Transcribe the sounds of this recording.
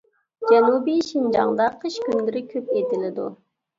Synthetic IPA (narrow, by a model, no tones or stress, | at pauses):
d͡ʒɛnubiʃind͡ʒɑ̰ŋd̪ɑqʰəʃkʲynlɪɾɪkʲʰøped̪ilɪd̪ṵ